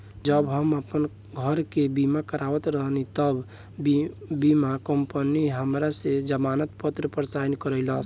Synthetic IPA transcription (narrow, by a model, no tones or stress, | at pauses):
d͡ʒəbɦəməpən | ɡʱəɾkebimakəɾaʋət̪ɾəɦənit̪əb | bimakəmpəniɦəmɾased͡ʒəmanət̪pət̪ɾəpəɾsajnkəɾəɪləs